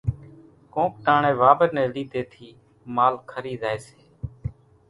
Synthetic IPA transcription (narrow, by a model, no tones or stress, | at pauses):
kõːk̚ʈaːɳẽːʋaːbəɾnɛ̃ːliːd̪eːt̪ʰiː | maːlkʰəɾiːzaːeːseː